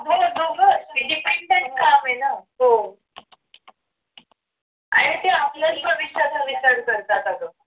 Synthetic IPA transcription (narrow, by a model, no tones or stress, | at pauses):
bʱobʱoɡəiɖipeɳɖeɳʈ̚kamenaɦo | a̰ɽ̃it̪eapləɾibʱəʋiɕjat͡səʋit͡ɕaɾkəɾt̪at̪aɡə